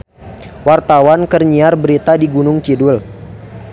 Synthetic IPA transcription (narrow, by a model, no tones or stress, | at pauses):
wart̪awankərɲiarbəɾit̪adiɡunʊŋkidʊl